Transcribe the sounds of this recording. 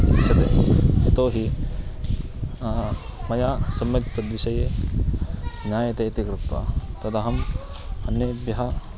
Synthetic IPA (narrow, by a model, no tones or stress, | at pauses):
d̪isɐt̪eet̪oːɦi | mɐjaːsɐmːɐkt̪ːɐd̪ʋisɐje | naːjɐt̪ɐɐt̪ikɾukt̪ɐ̰t̪ɐd̪ɐɦɐm | ɐnjɐbjɐɦɐ